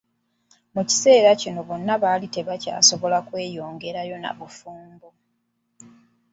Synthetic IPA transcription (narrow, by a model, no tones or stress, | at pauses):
muci̥se̞ːɾacino̞βo̞nːaβaːlite̞βaca̰ːso̞βo̞lakwe̞ːjo̞ːŋɡe̞ɾajo̞na̰βufuːmbo